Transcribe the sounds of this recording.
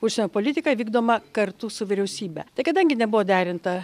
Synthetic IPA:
ʊʃsʲɛnʲoːpoːlʲɪt̪ʲɪkɐʋʲiːɡd̪oːmɐkɐɾt̪usʊʋʲɪɾʲɛʊsʲiːbʲɛ̰t̪ɐɪkɐd̪ɐŋʲɡʲɪnʲɛbʊʋoːd̪ʲæːɾʲɪnt̪ɐ

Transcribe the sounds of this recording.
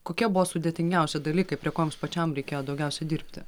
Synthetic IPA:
koːkʲiɛbʊʋɔːsʊd̪ʲeɛt̪ʲɪŋʲɡʲɛˑʊsʲɪd̪ɐlʲiːkɐɪpʲɾʲiɛkoːjomspɐt͡ʃʲɛmɾʲɛɪkʲeːjoːd̪ɒʊɡʲɛʊsʲɛd̪ʲiːɾʲpʲt̪ʲɪ

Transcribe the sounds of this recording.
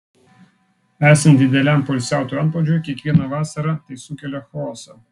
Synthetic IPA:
æːsʲɛnd̪ʲɪd̪ʲɛlʲæˑmpɔlʲsʲæˑʊt̪ʊɐnpɔd͡ʒʲoːjkʲiɛkʋʲiɛnɐʋɑːsɐɾɑt̪ɐɪsuːkʲɛlʲɛxɔːsɐ

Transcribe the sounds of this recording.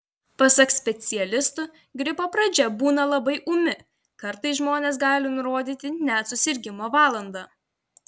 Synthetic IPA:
pɐsɐksʲpʲɛt̪sʲɪjɛlʲɪst̪ʊ | ɡɾʲɪpoːpɾɐd͡ʒʲɛbuːnɐlˠɐbɐɪʔʊmʲɪ | kɐɾt̪ɐɪs̬ʒmoːnʲeːs̬ɡɑːlʲɪnʊɾoːd̪ʲiːt̪ʲɪnʲɛt̪sʊsʲɪɾʲɡʲɪmoːʋɑːlˠɐnd̪ɑː

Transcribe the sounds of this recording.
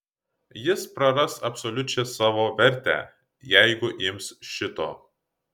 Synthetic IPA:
jɪspɾɐɾɐsɐpʲsɔlʲʊt͡ʃʲɛsɑːʋoːʋʲɛɾʲˑt̪ʲæ̰ː | jæˑɪɡʊʔɪmsʃʲɪt̪oː

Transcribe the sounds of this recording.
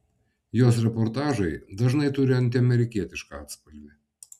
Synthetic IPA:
joːsɾʲɛpɔɾt̪ɑːʒɐɪd̪ɐʒnɐɪt̪ʊɾʲɪɐnt̪ʲɪɐmʲɛɾʲɪkʲiɛt̪ʲɪʃkɑɑ̰ːt̪spɐlʲʋʲɛ

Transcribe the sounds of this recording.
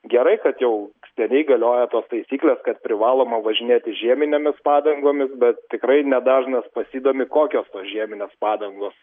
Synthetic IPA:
ɡʲɛɾɐɪkɐt̪jɛʊsʲt̪ʲɛnʲɛɪɡɐlʲoːjɛt̪oːst̪ɐɪsʲiːklʲeːskɐt̪̚pʲɾʲɪʋɑːlˠoːmɐʋɐʒʲɪnʲeːt̪ʲɪʒʲiɛmʲɪnʲemʲɪspɑːd̪ɐŋɡoːmʲɪsbʲɛt̪t̪ʲɪkɾɐɪnʲɛd̪ɑːʒnɐspɐsʲiːd̪oːmʲɪkoːkʲoːst̪oːsʒʲiɛmʲɪnʲeːspɑːd̪ɐŋɡoːs

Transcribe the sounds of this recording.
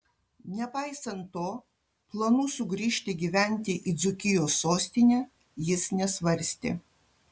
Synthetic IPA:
nʲɛpɑɪsɐnt̪ːoː | plˠɐnuːsʊɡɾʲiːʃʲt̪ʲɪɡʲiːʋʲæˑnʲt̪ʲɪʔid̪zʊkʲɪjoːsːoːsʲt̪ʲɪnʲæː | jɪsnʲɛsʋɐɾʲsʲt̪ʲɪ̰

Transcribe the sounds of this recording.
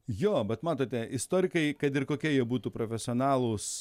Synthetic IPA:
joːbʲɛt̪mɑːt̪oːt̪ʲɛɪst̪oːɾʲɪkɐɪkɐt̪ɪɾkoːkʲiɛjiɛbuːt̪uːpɾofʲɛsʲɪoːnɑːlˠuːs

